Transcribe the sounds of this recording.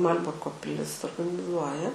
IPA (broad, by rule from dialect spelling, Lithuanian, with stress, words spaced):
mɐˈlʲbʊrkoː pʲɪˈlʲɪs oːrɡɐnʲɪˈzuɔjɛ